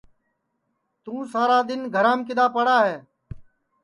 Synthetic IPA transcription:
t̪ũːsaːɾaːd̪ɪnɡʱəɾãːmkɪd̪aːpəɽaːɦeː

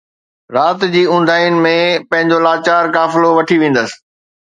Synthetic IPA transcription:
ɾaːt̪d͡ʑiːʊ̃n̆d̪ʱaːjʊnɪ̆mẽpɐ̃ɦɪ̃ɲd͡ʑolaːt͡ɕaːɾkaːfɪloʋɐʈʰiʋẽːn̆d̪əsɪ̥̆

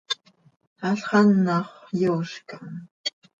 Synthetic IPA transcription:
aɬχɑnːɑχjoʃkaŋ

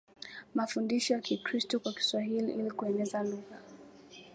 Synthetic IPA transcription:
mafundiʃɔjakikɾistɔkwaki̥swaɦilḭʔilikuɛnɛzaluɣa

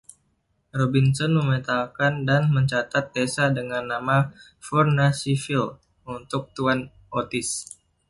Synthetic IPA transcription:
robinsɔnməmət̪alkandanməɲt͡ʃat̪at̪̚desadəŋanːama | fɔrnasifil | unt̪ʊk̚t̪uan | ot̪ɪs

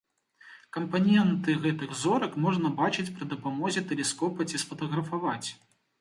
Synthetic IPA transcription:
kɐmpanʲɛnt̪ɨɣɛt̪ɨɣzɔɾɐkmɔʐnɐbat͡ʃɨt͡sʲpɾɨd̪ɐpamɔzʲɛt̪ɛlʲɛskɔpɐt͡sʲisfɐt̪ɐɣɾɐfavat͡sʲ

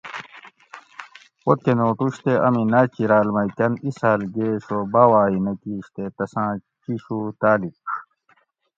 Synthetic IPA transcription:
wot̪̚kenoːʈuɕt̪eʔɐ̰minɐt͡ɕiɾaːlmɐjkɐnisaːlɡeːɕobaːwaːɦinɐkiːɕt̪et̪ɐsãːt͡ɕiɕut̪aːlik

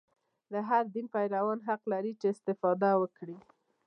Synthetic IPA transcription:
d̪əɦaɾd̪inpajɾawɑnɦaqlaɾit͡ʃeːst̪ɪfɑd̪awəkɽi

